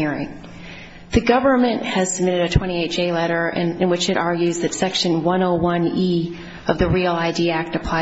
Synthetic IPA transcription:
ɛɹĩ | ðɨɡʌvə˞mɨ̃nʔhɨz̥səb̚mɪɾɨɾɨtʰw̥ɛ̃ɾ̃ieɪt̚d̥ʒ̥eɪlɛɾə˞ʔɨ̃ɨ̃nwɨt͡ʃɨɾʔɑɹɡjʉzðɨtsɛkʃɨ̃nwʌ̃noʊwʌ̃ni | ʌvðɨɹil̩ˠaɪdiæk̚tɨpʰl̥aɪ

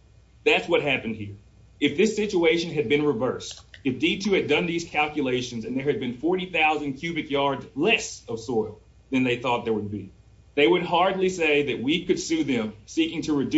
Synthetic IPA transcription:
ðætswʌt̚ɦæpɨ̃n̩d̚hiɹ | ɨfðɪsɪt͡ʃueɪʃɨ̃nɨd̚bɨ̃nɹɨvɜ˞stɨfditʰʉɨdʌ̃nðiz̥kʰælˠkjɨleɪʃɨ̃n̩zɨ̃nðə˞ɨd̚bɨ̃nfɔɹɾiθaʊzɨ̃nkʰj̥ʉbɨtjɑɹdzlɛsʌv̥sɔɪlˠ | ðɨ̃nðeɪθɔt̪̚ðə˞wəd̚bḭ | ðeɪwɨd̚ɦɑɹdˡliseɪðɨt̚wikɨd̥sʉðɨ̃msikɪ̃ŋtʰɨɹɨd

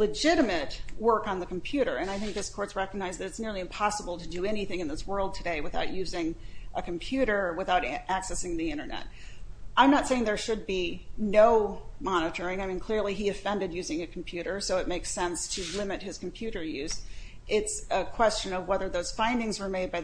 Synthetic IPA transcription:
lɨd͡ʒɪɾɨmɨtwɜ˞kn̩ðɨkm̩pʰj̥ʉɾə̰˞ɨ̃ñaɪθɪ̃ŋk̚ðɪskʰɔɹtsɹɛkəɡ̚naɪzðɨɾɨtsnɪɹlˠiɨ̃mpʰɑsəbl̩ˠtʰɨdɨɛñiθɪ̃ŋɨ̃nðɪswɜ˞lˠd̚tʰɨdeɪwɨθaʊʔ̚jʉzɪ̃ŋʔɨkʰm̩pʰj̥ʉɾə˞wɨθaʊɾʔæksɛsɪ̃ŋðiɪ̃ɾ̃ə˞nɛ̰t̚ | ʔãɪ̃mnətseɪɪ̃ŋðə˞ʃɨd̚binoʊmɑñɨɾə˞ɪ̃ŋaɪmĩnkʰl̥ɪɹliiɨfɛ̃ndɨdjʉzɪ̃ŋɨkʰm̩pʰj̥ʉɾə˞soʊɨt̚meɪksɛ̃nstʰɨlɪ̃mɨt̚hɨz̥km̩pʰj̥ʉɾə˞jʉz | ʔɪtsɨkʰw̥ɛst͡ʃɨ̃nʌvwɛðə˞ðoʊz̥fãɪ̃ndɪ̃ŋzwə˞meɪd̚baɪ

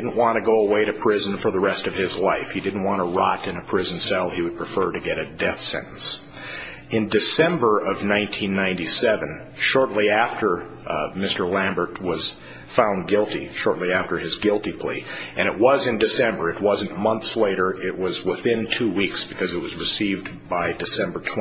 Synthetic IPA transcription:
dⁿn̩ʔwɑ̃nɨɡoʊəweɪɾɨpʰɹ̥ɪz̃n̩fə˞ðəɹɛstʌv̥ɪzlaɪfhidɪdⁿn̩ʔ̚wɑ̃ɾ̃əɹɑɾɨ̃nɨpʰɹ̥ɪzn̩sɛlˠiwɨd̚pʰɹ̥ɨfɜ˞ɾɨɡɛɾɨdɛθsɛ̰̃nʔn̩s | ɨ̃ndɨsɛ̃mbə˞ʔʌvnãɪ̃ntʰĩnːãɪ̃ntisɛvɨ̃n | ʃɔɹtˡliæftə˞ | mɪstə˞læ̃mbə˞t̚wʌz̥ | fãʊ̃nɡɪlˠtḭʃɔɹtˡliæftə˞ɨzɡɪlˠtipʰl̥ḭʔɨ̃ɾ̃ɨʔ̚wʌzɨ̃ndɨsɛ̃mbə˞ɨt̚wʌzɨ̃n̩mʌ̃nθsleɪɾə˞ɪt̚wʌzwɪθɪ̃ntʰʉwiksb̥ɨkʰʌzɨt̚wʌzɹɨsiv | baɪdɨsɛ̃mbə˞tʰ

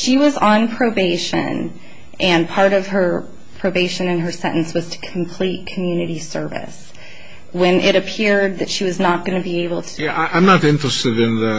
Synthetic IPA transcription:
ʃiwʌz̃n̩pʰɹ̥oʊbeɪʃɨ̰̃n | ʔɨ̃npʰɑɹɾʌv̥ə˞ | pʰɹ̥oʊbeɪʃɨ̃nɨ̃nə˞sɛ̰̃ʔn̩swʌz̥tʰɨ̥kʰm̩pʰl̥it̚kʰmjʉnɨɾisɜ˞vɨ̰s | wɨ̃nʔɪɾɨpʰɪɹd̪̚ðɨtʃiwʌznət̚ɡ̥ʌnɨbieɪbl̩ˠtʰəæɪãɪ̃mnəɾɪ̃ntɹ̥ɨstɨvɨ̃nðɨ

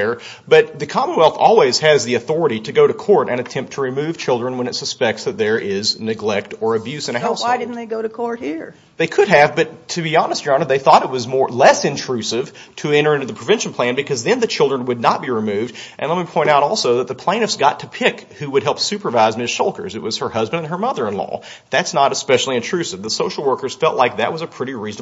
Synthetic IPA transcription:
ə˞ | b̥ʌt̪̚ðɨkʰɑmənwɛlˠθɔ̰lˠwiz̥ɨzðiɨθɔɹɨɾiɾɨɡoʊɾɨkʰɔɹɾɨ̰̃ñɨtʰɛ̃mp̚tʰəɹimʉv̥t͡ʃʰɪlˠdɹɨ̃nwə̃ñɨtsɨspɛk̚tsðɨt̪̚ðə˞ʔɪznɨɡlɛk̚tə˞ɨbjʉsɨ̃ñɨɦaʊsɪdɪdn̩ðeɪɡoʊɾɨkʰɔɹt̚hiɹ | ðeɪkʰɨɾ̚ɨvbʌtʰɨbiɑnəsd̥̚ʒ̥ɑ̃nðeɪθɔɾɨt̚wʌzmɔɹlɛsɨ̃ntʰɹ̥ʉsɪv̥tʰɨɛ̃ɾ̃ə˞ɪ̃ntɨðɨpʰɹ̥əvɛ̃nʃn̩pʰl̥æ̃nbɨkʰʌzðɨ̃nðɨt͡ʃʰɪlˠdɹə̃nwɨdⁿnət̚b̥iɹimʉvdʔɨ̃nlɛt̚mipʰɔ̃ɪ̃ɾ̃taʊɾɔlˠsoʊðət̪̚ðəpʰl̥ẽɪ̃ʌfsɡ̥ɑtʰɨpʰɪkhʉwɨd̚ɦɛlˠpsʉpə˞vaɪzmɪsʃolˠkə̰˞zɨt̚wʌz̥ə˞hʌzbɨ̃ndɨ̃nə˞mʌðə˞ɨ̃nlɔ̰ | ðætsnəɾɨspɛʃl̩ˠiɨ̃ntʰɹ̥ʉsɨvðəsoʊʃl̩ˠwɜ˞kə˞z̥fɛlˠʔlaɪk̚ðɨ̰ʔ̚wʌzɨpʰɹ̥ɪɾiɹiznə

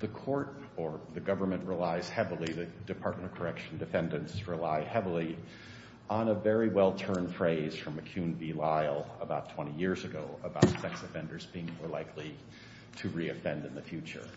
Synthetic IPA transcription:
ðɨkʰɔɹt | ə˞ðɨɡʌvə˞mɨ̃nʔɹəlaɪz̥hɛvl̩ˠiðɨdɨpʰɑɹt̚mə̃ɾ̃ʌv̥kʰə˞ɛkʃn̩dɨfɛ̃ndɨ̃nsɹɨlaɪhɛvl̩ˠi | ə̃nəvɛɹiwɛlˠtʰɜ̃˞n̥fɹeɪz̥fɹʌ̃mɨkʰj̥ʉ̃nvilaɪl̩ˠəbaʊtʰw̥ɛ̃ɾ̃ijɪɹzɨɡoʊəbaʊtsɛksɨfɛ̃ndə˞zbiɪ̃ŋmɔɹlaɪkʰli | ɾɨɹiɨfɛ̃ndɨ̃nðɨfjʉt͡ʃə̰˞

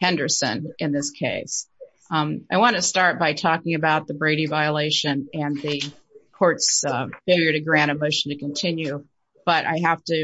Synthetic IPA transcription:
hɛ̃ndə˞sɨ̰̃nʔɨ̃nðɪskʰeɪs | aɪwɑ̃nɨstɑɹt̚b̥aɪtʰɔkɪ̃ŋɨbaʊt̪̚ðəbɹeɪɾivaɪəleɪʃɨ̃nɨ̃nðɨ | kʰɔɹtsfɪlˠjə˞ɾɨɡɹæ̃ɾ̃ɨmoʊʃn̩tɨkɨ̃ntʰɪ̃njʉ | b̥ʌɾʔa̰ɪɦæftɨ

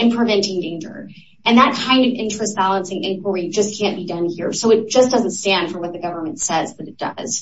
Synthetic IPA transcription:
ɨ̃npʰɹ̥ɨvɛ̃ntɪ̃ŋdẽɪ̃nd͡ʒə̰˞ | ʔɨ̃nðət̚kʰãɪ̃ndʌvɪ̃nt͡ʃɹ̥ɨst̚b̥ælˠə̃nsɪ̃ŋɪ̃nkʰwə˞id͡ʒʌskʰæ̃nb̥idʌ̃nhiɹsoʊɨt̚d̥ʒ̥ʌsd̥ʌz̃n̩tstæ̃nd̥fɹʌ̃˞mwʌt̪̚ðɨɡʌvə˞mɨ̃ntsɛzðɨɾɨt̚d̥ʌ̰z̥

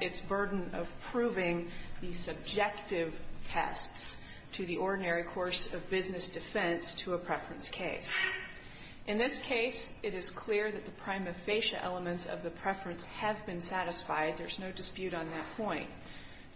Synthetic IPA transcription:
ɨtsb̥ɜ˞dⁿn̩ʌv̥pʰɹ̥ʉvɪ̃ŋðɨsɨb̚d͡ʒɛk̚tɪv̥tʰɛ̰sts | tʰɨðiʔɔɹdⁿn̩ɛɹikʰɔɹsʌvbɪznɨsd̥ɨfɛ̃nstʰəəpʰɹ̥ɛfɹɨ̃nskʰeɪs | ʔɨ̃nðɪskʰeɪsɨɾɨz̥kʰl̥ɪɹðɨt̪̚ðɨpʰɹ̥ãɪ̃mɨfeɪʃɨ̰ʔɛ̰lˠəmɨ̃ntsʌ̰vðɨpʰɹ̥ɛfɹɨ̃nsɨvbɨ̃nsæɾɨsfaɪd̪̚ðə˞znoʊdɨspjʉɾn̩ðɨt̚pʰɔ̃ɪ̃nt̚

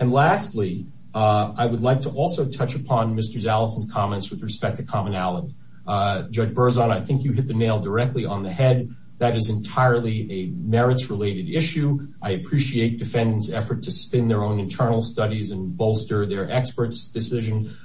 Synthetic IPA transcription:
ɨ̃nlæstˡli | aɪwədˡlaɪk̚tʰəʔɔlˠsoʊtʰʌt͡ʃɨpʰɑ̃nmɪstə˞zælˠəsn̩z̥kʰɑmɛ̃ntswɨðɹɨspɛk̚tʰɨkʰɑmənælˠəɾi | d͡ʒʌd͡ʒbɜ˞zə̃naɪθɪ̃ŋkjɨɦɪt̪̚ðɨneɪlˠdə˞ɛk̚tˡliʔə̃nðɨhɛd̪̚ | ðɨɾɨzɨ̃ntʰaɪə˞lˠiɨmɛɹɨtsɹəleɪɾɨɾɪʃʉʔaɪɨpʰɹ̥iʃieɪt̚d̥ɨfɛ̃ndn̩tsɛfə˞tʰɨspɪ̃nðə˞õʊ̃nɨ̃ntʰɜ̃˞nl̩ˠstʌɾizɨ̃nboʊlˠstə˞ðə˞ʔɛkspə˞tsd̥ɨsɪʒɨ̃n

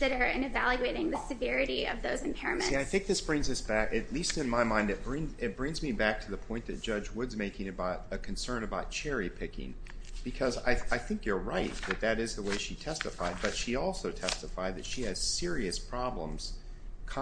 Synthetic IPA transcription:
ðɨɾə˞ɨ̃nɨvælˠjʉeɪɾɪ̃ŋðɨsɨvɛɹɨɾiʌ̰vðoʊzɨ̃m̩pʰɛɹɨmɨ̰̃aɪθɪ̃ŋk̚ðɪsb̥ɹɪ̃ŋzʌsb̥ækɨtˡlistɨ̃nmaɪmãɪ̃ndɨt̚b̥ɹɪ̃ŋzɪt̚b̥ɹɪ̃ŋzmibæk̚tʰɨðəpʰɔ̃ɪ̃nðɨt̚d̥ʒ̥ʌd͡ʒwʊdzmeɪkɪ̃ŋɨbaʊɾɨkʰn̩sɜ̃˞nɨbaʊt̚t͡ʃʰɛɹipʰɪkɪ̰̃ŋ | b̥ɨkʰʌza̰ɪaɪθɪ̃ŋkjə˞ɹaɪt̪̚ðɨt̪̚ðɨɾɨzðəweɪʃitʰɛstəfaɪd̚bʌtʃiɔlˠsoʊtʰɛstəfaɪd̪ðɨtʃiɨz̥sɪɹiɨspʰɹ̥ɑblə̰̃mz̥ | kʰ

